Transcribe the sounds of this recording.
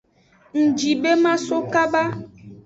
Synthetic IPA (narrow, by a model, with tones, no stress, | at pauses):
ŋ̩˨d͡ʒi˨be˦mã˦so˦ka˦ba˦